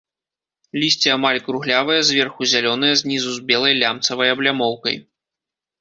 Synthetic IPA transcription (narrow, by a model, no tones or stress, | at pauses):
lʲisʲt͡sʲiamalʲkɾuɣlʲavɨjɐzʲvʲɛrxuzʲalʲɔnɨjɐzʲnʲizuzbʲɛlˠɐjlʲamt̪sɐvɐjɐblʲamɔwkɐ̰j